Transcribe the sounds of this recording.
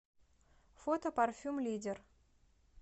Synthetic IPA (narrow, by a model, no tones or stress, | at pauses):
fot̪opɐrfʲumlʲidʲɪr